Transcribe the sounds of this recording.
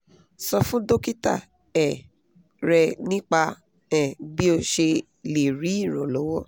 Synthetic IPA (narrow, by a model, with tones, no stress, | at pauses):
sɔ˧fũ˦do˦ki˦ta̰˦˨ | ɛ˨ | ɾɛ˧nĩ˦k͡pa˧ | ɛ˨bi˦o˧ʃe˧ | le˨ɾi˨˦i˦˨ɾɔ̃˨lɔ˨˦wɔ˦